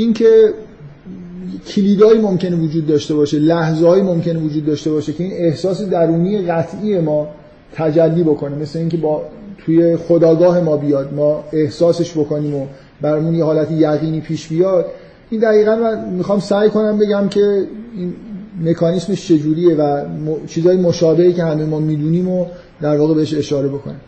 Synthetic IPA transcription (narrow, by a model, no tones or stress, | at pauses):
incʰe | cʰiliːd̪ɒːiːmomcʰe̞nevod͡ʒuːd̪ːɒːʃt̪e̞bɒːʃe̞læhzehɒːimomcʰe̞nevod͡ʒuːd̪ːɒːʃt̪e̞bɒːʃe̞cʰe̞iːne̞hsɒːse̞d̪æɾuːniːje̞ɣæt̪ʰʔiːje̞mɒː | t̪ʰæd͡ʒælːiːbo̞ko̞ne̞me̞sle̞iŋcʲʰe̞bɒːt̪ʰuje̞xod̪ɒːɡɒːɦe̞mɒːbijɒːd̪mɒːe̞hsɒːse̞ʃbo̞ko̞niːmo | bæɾɒːjmunjehɒːlæt̪ʰijæɣiːniːpʰiːʃbijɒːd̪̚ | ind̪æɣiːɣænmænmixɒːmsæːjkʰo̞næmbe̞ɟæmcʰe̞inme̞kʰɒːnisme̞ʃt͡ʃʰe̞d͡ʒuːɾiːje̞væmot͡ʃʰiːzɒːjemoʃɒːbe̞hice̞hæme̞jmɒːmiːd̪uːniːmo | d̪æɾvɒːɣebe̞eʃe̞ʃɒːɾe̞bo̞kʰo̞̰ne